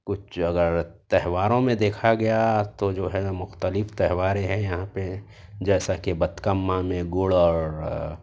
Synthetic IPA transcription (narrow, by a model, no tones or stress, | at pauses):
kʊt͡ʃʰɐɡəɾt̪ɛɦʋaːɾõmẽd̪eːkʰaɡɐjat̪od͡ʒoːɦɛmʊxt̪əlɪft̪ɛɦʋaːɾeɦɛ̃jɐɦãpe | d͡ʒɛːsakebɐt̪kəmːãmẽɡʊɭɔːɾ